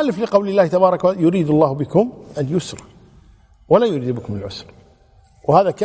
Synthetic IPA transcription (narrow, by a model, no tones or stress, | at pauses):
alːɪflɪqɑwlɪlːaːht̪abɑːɾˤɑkawajʊɾiːd̪alˤːɑːhbɪkʊmʔanjʊsɾˤɑ | walajʊɾiːd̪bɪkʊmɪlʕʊsɾˤ | whaːðaka